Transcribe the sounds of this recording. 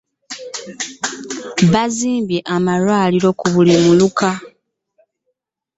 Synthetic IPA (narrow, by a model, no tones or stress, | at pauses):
βaziːmbje̞ʔamalwaːliɾo̞kuβulimuluka